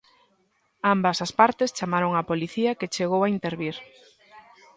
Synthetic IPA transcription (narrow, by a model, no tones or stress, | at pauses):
ambɐsaspaɾt̪est͡ʃamaɾoŋapoliθiaket͡ʃeɣowaint̪eɾβiɾ